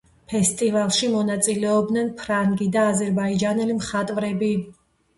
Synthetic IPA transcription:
pʰɛst̪ʼivalˠʃimɔnat̪sʼilɛɔb̚d̪nɛnpʰɾaŋɡid̪aːzɛɾbaid͡ʒanɛlimχat̪ʼvɾɛbi

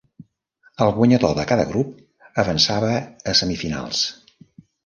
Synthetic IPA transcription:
əlˠɣwəɲəðoðəkaðə̰ɣɾup̚ | əβənsaβəːsəmifina̰lˠs

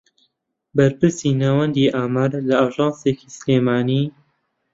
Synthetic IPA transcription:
bɐɾpɨɾsinaːwɐnd̪iːʔaːmaɾlɐaːʒɑːnsekiːsleːmaːniː

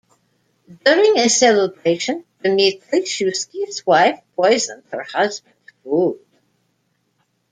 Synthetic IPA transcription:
dʊɹɪ̃ŋɨsɛlˠəbɹeɪʃɨ̃nð̥ɨmitʰliʃuskizwaɪfpʰɔɪzə̃nd̥̚hə̰˞hʌzbə̃ndfuld̥

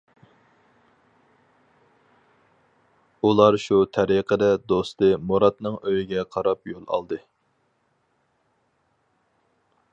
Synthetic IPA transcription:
ulˠɑɾʃut̪ʰɛɾiqʰəd̪ɛd̪ost̪ɨmoɾɑt̪nɨŋøjiɡʲɛqʰɑɾɑpjolˠɑ̰lˠd̪ɨ

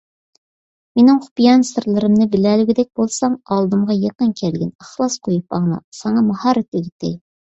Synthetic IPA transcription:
menɪŋχʊ̥pijɑnsɨɾlˠɨɾɨmnɨbɪlælyɡʲid̪ɛk̚ʲbolˠsɑŋɑlˠd̪ɨmʁɑjɑqənkʲʰɛlɡʲɛnɑχlˠɑsqʰojupɑʁnɑ̰sɑŋɑmuhɑɾɪt̪yɡʲit̪ʰːɪ̰

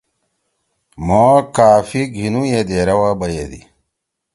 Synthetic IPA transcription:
moːkaːfiɡʱinujed̪eːɾɐwabɐjed̪ḭ

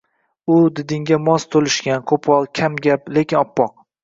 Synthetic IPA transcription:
ʊd̪ɪd̪ɪŋɡʲamɒst̪ʰolɪʃkʲankʰopʰɒlˠkʲʰamɡʲaple̞kʲɪnɒpːɒq

